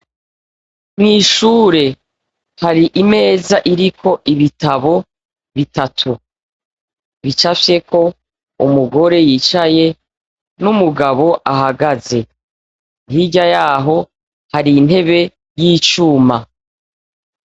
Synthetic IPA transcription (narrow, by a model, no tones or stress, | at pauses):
mŋiːʃuːɾe̞ | haɾiʔime̞ːzaʔiɾikʰo̞ʔiβitaβo̞ | βitatʰu | βit͡ʃafje̞ko̞ | umuɡo̞ɾe̞jiːt͡ʃaje | numuɡaβo̞ʔaɦaɡaze̞ | niɟajaːɦo̞ | haɾin̥he̞βe̞ | jiːt͡ʃuːma